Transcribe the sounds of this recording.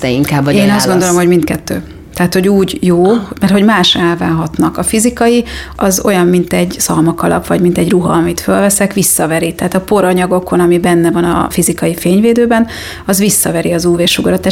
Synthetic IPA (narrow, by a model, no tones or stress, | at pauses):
ɛiŋkaːbɒeːnɒzdɡod̪o̞lo̞mho̞ɟmint̪̚kɛt̪ːø̰ː | t̪ɛɦaːt̪ho̞ɟuːɟjoːmɛrt̪ho̞ɟmaːʃɛlvaːɦɒt̪nɒkɒfizikɒjiʔɒzo̞̰jɒmːint̪ɛɟsɒlmɒkɒlɒ̰pvɒɟmint̪ɛɟruɦɒ̰ɒmit̪følvɛsɛkʋisːɒvɛɾit̪ɛɦaːt̪ɒpo̞ɾɒɲɒɡo̞ko̞nɒmibɛnːɛvɒnɒ̰fizikɒjifeːɲveːd̪øːbɛn | ɒzvisːɒvɛɾiɒzuːveːrʃuɡɒɾot̪aːʃ